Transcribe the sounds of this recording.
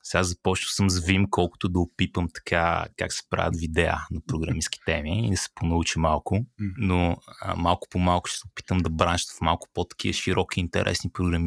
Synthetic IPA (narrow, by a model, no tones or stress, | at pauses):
sɛɡazɐpɔt͡ʃnəsəmzvimkɔlˠkʊ̥t̪ʊd̪ɐʊpipəmt̪ɐ̥kʰa̰ka̰ksɛ̥pɾa̰vʲə̰t̪vid̪ɛə̰nɐpɾoɡɾɐmiski̥t̪ɛmiːd̪ɐsɛ̥ponɐut͡ʃimalˠkʊnoə̰malˠkʊ̥pomalˠkʊ̥ʃɛ̥sɛpi̥t̪əmd̪ɐbɾanʃt̪əfmalˠkʊ̥pot̪ɐ̥k̟iəʃiɾʔɔkiːnt̪ɛ̰ɾʔɛ̰snipɾʊɡɾɐmi